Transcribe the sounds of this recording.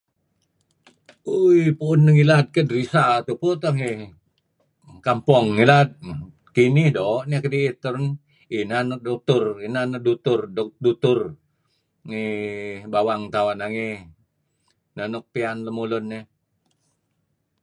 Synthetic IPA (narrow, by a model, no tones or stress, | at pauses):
ujpuːnːəŋilat̪̚kədəɾisat̪uput̪ɔɦi | kampɔŋːilat̪̚ | kinihdɔʔnekədiːt̪əɾn | inanədɔk̚t̪ʊrinanədut̪ʊrddut̪ʊr | ŋibawaŋt̪awanaŋi | nənɔk̚pianləmulʊnːe